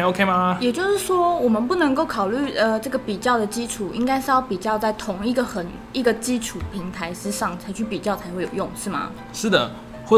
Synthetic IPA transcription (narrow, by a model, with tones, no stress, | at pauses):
o˥ʊkʰe˥ɪma˧jɛ˨˩t͡ɕjo˥˧ʊʂɻ̩˥˩ʂwɔ˥wɔ˨˩mə˨npu˥˩nə˧ŋko˥˩ʊkʰɑ˨˩ʊly˥˩ə˧ʈ͡ʂɤ˥˩ɡə˩pi˨˩t͡ɕjɑ˥˩ʊd̪ə˨˩t͡ɕi˦˥ʈ͡ʂʰu˨˩i˥ŋka˥ɪʂ̩˥˧jɑ˥˩ʊpi˨˩t͡ɕjɑ˥˧ʊt͡sa˥˩ɪt̪ʰʊ˧˥ŋi˥˩ɡə˨˩xə˨˩n | i˥˩ɡə˨˩t͡ɕi˦˥ʈ͡ʂʰu˨˩pʰi˧˥ŋt̪ʰa˧˥ɪʂɻ̩˥ʂɑ˥˩ŋt͡sʰa˧ɪt͡ɕʰy˥˩pi˨˩t͡ɕjɑ˥˩ʊt͡sʰa˧˥ɪxwe˥˩ɪjo˨˩jo˥˨ŋʂɻ̩˥˩ma̰˩ | ʂɻ̩˥˩d̪ə̰˩ | xwɔ˥˩